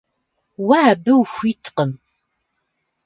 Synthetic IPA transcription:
waːbəwxʷitʰqəm

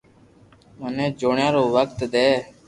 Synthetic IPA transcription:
mənẽːd͡ʒoːɳjãːɾoːʋək̚t̪d̪eː

